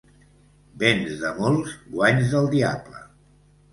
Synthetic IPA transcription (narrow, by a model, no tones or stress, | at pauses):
benzðəmolˠzɡwaɲzðəlˠd̪ia̰plə̰